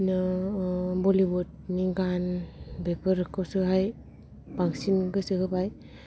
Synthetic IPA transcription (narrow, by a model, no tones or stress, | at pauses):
na | bɔlibɔt̚niɡanbepʰəɾɯkʰːɔwsɯɦaj | baŋsinɡɯsɯɦɯbaj